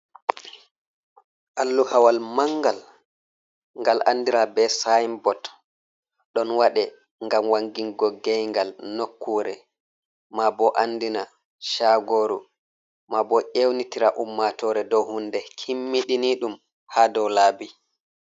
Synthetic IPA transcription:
ʔalːuhawalmaŋɡal | ŋɡalʔa̰nːdiɾabɛsajmbɔt | ɗɔnwaɗɛ | ŋɡamwaŋɡiŋɡɔɡɛjŋɡalnokːuːɾɛ | mabɔʔandina | ʃaɡoɾṵ | mabɔʔewnitiɾaʔumːatɔɾɛdɔwhundɛkʰimːiɗiniɗum | haːdɔwlaːbi

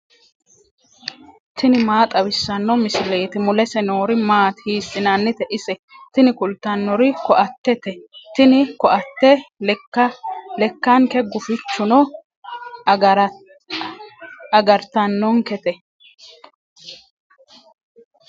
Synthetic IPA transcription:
t̪ɪnɪmaːt̪ʼɐwɪsːɐnːɔmɪsɪle̞ːt̪ɪmʊlɛsɛnoːɾɪmaːt̪hiːsːɪnɐnːɪt̪ɛʔɪsɛt̪ɪnɪkʊlt̪ːɐnːɔɾɪkɔʔɐt̪ːɛt̪ɛt̪ɪnɪkɔʔɐt̪ːɛɐlɛkːɐŋkɛɡʊfɪt͡ʃːʊnɔ | ɾ | ɐɡɐɾt̪ɐnːɔŋkɛt̪ɛ

